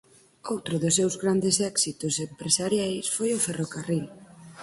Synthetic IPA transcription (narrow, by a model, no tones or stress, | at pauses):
owt̪ɾʊðʊsːewzɣɾand̪esɛksit̪ʊsempɾesaɾjajsfojoferokaril